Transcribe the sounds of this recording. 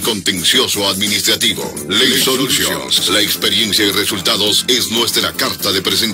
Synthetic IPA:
ko̞nt̪e̞nsjo̞soaðminist̪ɾat̪iβo̰ | lesolusjolaekspeɾje̞nsjairesult̪aðo̞sesnwe̞st̪ɾakaɾt̪aðe̞pɾes̬en

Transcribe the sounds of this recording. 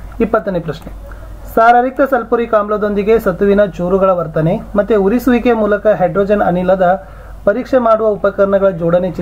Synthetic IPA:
ipːɐt̪ːɐnepɾɐʃne | saːɾɐɾik̚t̪ɐsɐlpuɾikaːmblɐd̪o̞nd̪iɡesɐt̪uʋinɐt͡ʃuːɾuɡɐɭɐʋɐɾt̪ɐnemɐt̪ːeuɾisuʋikemuːlɐkɐɦeɖɾoːd͡ʒɐnɐnilːɐd̪ɐ | pɐɾiːkʂemaːɽuʋɐupɐkɐɾɐɳɐɡɐɭɐd͡ʒɔːɽɐnet͡ʃi

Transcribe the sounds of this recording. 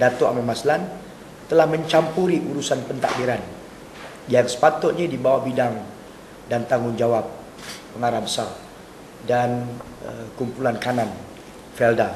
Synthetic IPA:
dat̪oa̰mamaslan | t̪əlahməɲt͡ʃampuɾiʔuɾusanpənt̪a̰ʔbiɾan | jaŋsə̥pat̪ʊt̪̚ɲadibawahbidaŋ | dant̪aŋʊŋd͡ʒawap̚ː | əŋaɾabəsar | dan | kumpulankanan | fɛlda

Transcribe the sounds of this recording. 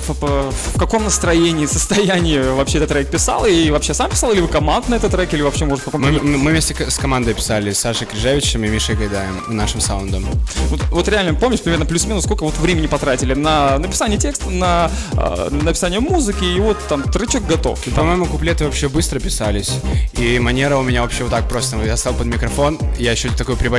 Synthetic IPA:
f | fkɐko̞mnəst̪ɾɐjenʲɪːsəst̪ɐjænʲɪɪvɐpɕeɛt̪ət̪ːɾɐɛk̚pʲɪsa̰lˠivɐpɕːe̞sampʲɪ̥sɑlˠɪlʲɪvɨkɐmand̪nɐɛt̪ət̪ːɾɐɛkilʲɪvɐpɕːemoʐt̪fkɐkommɨvmʲesʲt̪ʲɪkskɐmand̪əjpʲɪ̥salʲɪsaʂɨkɾʲɪʐavʲɪt͡ɕɪmɨmʲiʂɨɡɐd̪ajɪmnaʂɨmsaʊnd̪əmvot̪vo̞t̪ɾʲɪalʲnəpomnʲɪʂpɾʲɪmʲernəplʲʉʊsmʲenʊskolʲkəvo̞t̪vɾʲemʲɪnʲɪpɐt̪ɾatʲɪlʲɪnənəpʲɪ̥sanʲɪjətʲe̞kst̪ənəə̰nəpʲɪ̥sanʲɪjəmuzɨkʲɪɪvot̪ːamt̪ɾɛt͡ɕok̚ɡɐt̪o̰fpɐmojɪmʊkʊplʲet̪ɨvɐpɕːebɨst̪ɾəpʲɪsalʲɪsʲimɐnʲeɾəʊmʲɪnʲavɐpɕːevot̪ːak̚pɾost̪əjast̪alˠpəd̪mʲɪkɾɐfo̞njajɪɕːot̪ɐkojpɾʲɪbɐ

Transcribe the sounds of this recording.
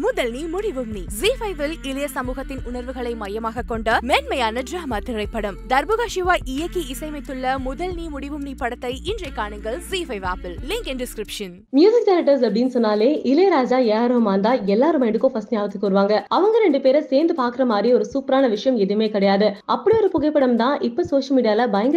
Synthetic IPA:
mʊðɐlnimʊɽiʋɯmniziːfɐɪʋɪlɪlɐjɐsɐmuːɣɐt̪ːɪnʊnɐɾʋɯɣɐɭɐɪmɐjɐmaːɣɐkːɔɳɖɐmeːnmɐjaːnɐdɾɐɦɐmat̪ɪɾɐɪpːɐɽɐmd̪ɐɾbɯɣaːʃiʋaːʔɪjɐkːiɪsɐɪmɐɪt̪ːɯɭːɐmʊðɐlniːmʊɽiʋɯmnipɐɽɐt̪ːɐɪɪndrɐɪkːaːɳɯŋɡɐɭzifɐɪʋaːpɪllɪŋkɛndɪskɾɪpʂɐn | mjuːsɪk̚sɛɾɐʈːɐɾs̬ɐpːɐɽinɯsɔnːaːleːʔɪleːɾaːd͡ʒaːeːaːɾɯɦɐmaːnd̪aːɛlːaːɾɯmɐɪɳɖɯkːõfɐsʈnjaːʋɐt̪ːɯkːɯʋɐɾɯʋaːŋɡɐʔɐʋɐŋɡɐɾɛɳɖɯpeːɾɐseːnd̪ɯpaːɾkɯɾɐmaːd̪ɾiɔɾɯsuːpɾaːnɐʋɪʂɐjɐmɛðɯmeːkɪɽɐjaːðɯʔɐpːɐɽiɔɾɯpʊɣɐɪpːɐɽɐmt̪ãːʔɪpːɐsoːʂɐlmiːɽɪjaːlɐbɐjɐŋɡ

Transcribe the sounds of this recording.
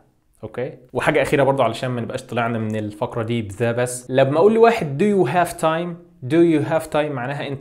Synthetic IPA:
ʔokeːweħaːɡæʔæxiːɾæbɑɾˤd̪ˤʕalæʃæːnmænebʔæːʃt̪ˤːɨleʕnæmenelfækɾˤɑd̪iːbezæːbæsːlæbmæʔuːlːiwaːħed̪ːujuɦæːvt̪ʰɑjm | d̪ujuɦæːvt̪ɑjmːaʕnæːɦæʔent̪

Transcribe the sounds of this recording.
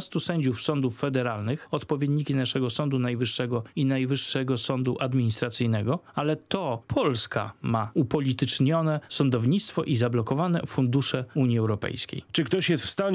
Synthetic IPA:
st̪usɛɲd͡ʑufsɔnd̪ufːɛd̪ɛɾalnɘxɔt̪pɔvʲjɛd̪ɲikʲinaʂɛɡɔsɔnd̪unajvɘʂːɛɡɔinajvɘʂːɛɡɔsɔnd̪uʔad̪mʲiɲist̪ɾat̪sɘjnɛɡɔalɛt̪ɔpʰɔlska̰maupɔlʲit̪ɘt͡ʂɲɔnɛsɔnd̪ɔvɲit̪st̪fɔʔizablɔkɔvanɛ̰fund̪uʂɛuɲiɛwɾɔpɛ̰jskʲḛjt͡ʂɘk̚t̪ɔɕjɛst̪fst̪aɲ

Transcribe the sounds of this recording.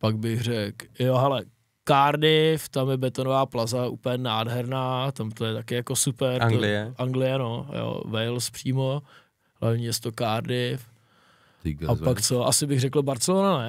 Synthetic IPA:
paɡ̚bɪɣr̝ɛkjoɦɛlɛ | kaːɾdɪft̪amjɛbɛt̪onovaːplazaʔṵpl̩jɛnaːdɦɛɾnaːt̪amt̪ojɛt̪akɪjakosupɛɾɛʔaŋɡlɪjɛno̞jo̰vɛjlspr̥iːmo | hlavɲiːjɛst̪okaːɾdɪf | apakt͡soʔasɪbɪɣrɛkl̩baɾt͡sɛlonanɛ

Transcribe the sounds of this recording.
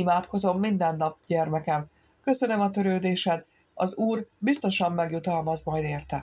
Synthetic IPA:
imaːt̪ko̞zo̞mːind̪ɛnːɒp̚ɟɛrmɛkɛm | kø̞sø̞nø̞mɒt̪ø̞ɾøːd̪eːʃɛd̪ | ɒzuːrbist̪o̞ʃɒmːɛɡjut̪ɒlmɒzmɒjd̪eːrt̪ɛ

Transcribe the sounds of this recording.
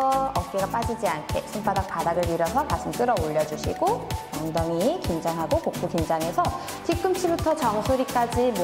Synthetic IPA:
ʌʌk̚k͈eɡap͈ad͡ʑid͡ʑiankʰe̞sʰump͈adak̚padaɡɯɭiɾʌsʰʌkasʰɯmt͈ɯɾʌoʎːʌd͡ʑuɕʰḭɡo | ʌŋdʌŋikind͡ʑaŋɦaɡokok̚p͈ukind͡ʑaŋe̞sʰʌ | t͡ɕik̚k͈ɯmɕʰibutʰʌt͡ɕʌŋsʰoɾik͈ad͡ʑim

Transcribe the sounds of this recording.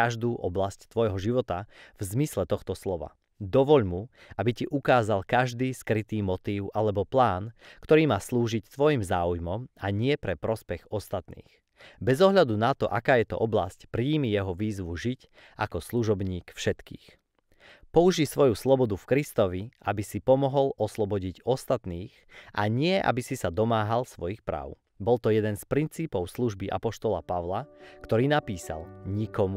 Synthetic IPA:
aʒd̪uːʔɔblasct̪ʋɔjɦɔʒiʋɔt̪avzmislɛt̪ɔxt̪ɔslɔʋa̰ | d̪ɔʋɔʎmu | abiciʔukaːzalkaʒd̪iːskɾit̪iːmɔt̪iːʊʔalɛbɔplaːnkt̪ɔɾiːmaːsluːʒict̪ʋɔjimzaːujmɔmaɲɪɛpɾɛpɾɔspɛɣɔst̪at̪nḭːx | bɛzɔɦʎad̪unat̪ɔʔakaːjɛt̪ɔ̰ʔɔbla̰scpɾiːmijɛɦɔʋiːzʋuʒic | ʔa̰kɔsluʒɔbɲiːkfʃɛt̪kḭːx | pɔuʒisʋɔjuslɔbɔd̪ufkɾist̪ɔʋiʔabisipɔmɔɦɔlɔslɔbɔɟiɟɔst̪at̪niːx | ʔa̰ɲɪɛʔa̰bisisad̪ɔmaːɦalsʋɔjixpɾa̰ːʊ | bɔlt̪ɔjɛd̪ɛnspɾint͡siːpɔʊsluʒbiʔa̰pɔʃt̪ɔlapaʋlakt̪ɔɾiːnapiːsa̰lɲikɔmu

